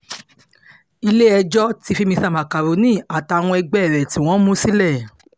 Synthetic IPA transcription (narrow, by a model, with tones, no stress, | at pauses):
i˧le˦ɛ˧d͡ʒɔ˦ti˧fi˦˧mĩ˧sa˦˨ma˨ka˨ɾo˨˦nĩ˦˨a˨ta˧˨w̃ɔ̃˧ɛ˧ɡ͡bɛ˦˨ɾɛ˨ti˦w̃ɔ̃˦mũ˦si˦lɛ˦˨